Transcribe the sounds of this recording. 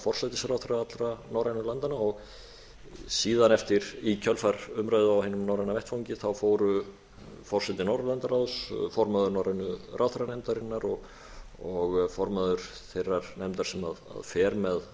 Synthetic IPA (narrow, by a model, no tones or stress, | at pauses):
fɔr̥sajt̪ɪsɾawθɾaat̪lɾanawɾanʏlant̪anaɔɣ | siːðanɛft̪ɪɾicʰœlfaɾʏmɾœɥðʏawheːnʏmnawɾanavɛjht̪fawɲcɪθawfoːwɾʏ | fɔr̥sɛt̪ɪnɔwɾlant̪aɾaðsfɔɾmaðʏɾnawɾanʏrʔawθɾanɛjmt̪aɾɪnːaɾɔɣ | ɔɣfɔɾmaðʏɾ̥ | θejrːaɾ̥nɛjmt̪aɾsɛma̰ða̰ðfɛːɾmɛð